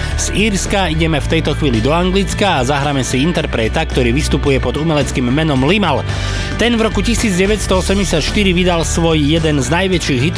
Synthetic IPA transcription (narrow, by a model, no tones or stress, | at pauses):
z̥iːɾskaiɟɛmɛft̪ɛjt̪ɔxʋiːlid̪ɔaŋɡlit͡skaːzaɦɾaːmɛsiint̪ɛɾpɾɛːt̪akt̪ɔɾiːʋist̪upujɛpɔd̪umɛlɛt͡skiːmːɛnɔmlimal | t̪ɛnvɾɔkucisiːd͡zɟɛʋɛcst̪ɔɔsɛmɟɛsɪat̪ʃt̪iɾiʋid̪alsʋɔjjɛd̪ɛnznajʋɛt͡ʃiːɣɦit̪